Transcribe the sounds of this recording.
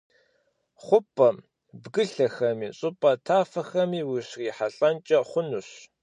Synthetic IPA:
χʷʊpʼɐm | bɡɨɬɐxɐmḭːɕʼʊpʼɐtʰaːfɐxɐmiːwiɕriːħaɬʼɐnt͡ʃʼɐχʷʊnuɕ

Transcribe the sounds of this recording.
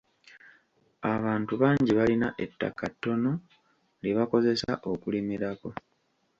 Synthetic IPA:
aβaːntuβaːɲɟiβalinaʔe̞tːa̰kːatːo̞no̞ | leβako̞ze̞sa̰ʔo̞kulimiɾako̞

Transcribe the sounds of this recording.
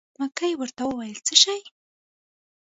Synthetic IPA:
makajwəɾt̪awəwajəlt͡səʃaj

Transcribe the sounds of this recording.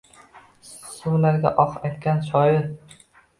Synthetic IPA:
sʊwlaɾɡʲa̰ʔɒqajt̪kʲanʃɒjɪɾ

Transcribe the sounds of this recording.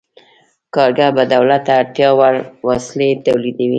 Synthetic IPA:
kɑɾɡabad̪awlat̪aːɾt̪jɑwaɾwaslet̪awlid̪awi

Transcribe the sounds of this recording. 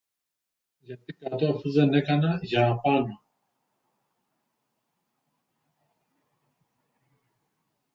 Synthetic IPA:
jat̪ikat̪ɔfuzɛnɛkanaʒaːpanɔ

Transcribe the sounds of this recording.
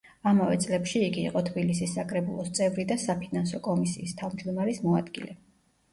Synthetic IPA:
amavɛ̰t̪sʼlɛpʃiːɡḭːqʼɔt̪ʰbilisisːakʼɾɛbulˠɔst̪sʼɛvɾid̪asapʰinansɔkʼɔmisḭːst̪ʰavmd͡ʒd̪ɔmaɾismɔa̰d̪ɡḭlɛ

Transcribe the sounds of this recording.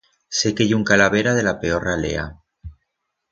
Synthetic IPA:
se̞kejuŋkalaβ̞eɾaðe̞lape̞o̞ralḛa̰

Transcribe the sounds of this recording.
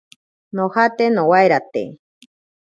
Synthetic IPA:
nohat̪enowaeɾat̪ḛ

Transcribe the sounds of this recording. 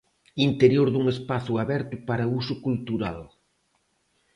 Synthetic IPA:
int̪eɾjoɾðuŋespaθʊaβɛɾt̪ʊpaɾɐusʊkult̪uɾa̰l

